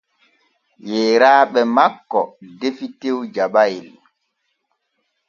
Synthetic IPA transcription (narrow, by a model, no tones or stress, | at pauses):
jɛːɾaːɓɛmakːɔdefitewd͡ʒaɓajil